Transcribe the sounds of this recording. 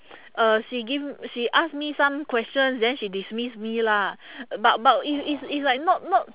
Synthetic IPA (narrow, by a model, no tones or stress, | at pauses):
ʔaʃiɡivʃiʔasmisãmkwɛst͡ʃə̃nsdɛ̃nʃidismismilabatbatifisislaɪk̚nɔt̚nɔt̚